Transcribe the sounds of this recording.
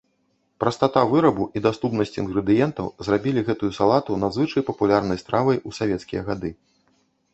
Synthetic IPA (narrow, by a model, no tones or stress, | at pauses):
pɾɐst̪at̪avɨɾɐbuʔid̪ast̪upnɐsʲt͡sʲinɣɾɨd̪ɨjɛnt̪ɐwzrabʲilʲiɣɛt̪ujusalˠat̪unɐzvɨt͡ʂɐjpɐpulʲarnɐjst̪ɾavɐjusavʲɛt̪skʲijɐɣad̪ɨ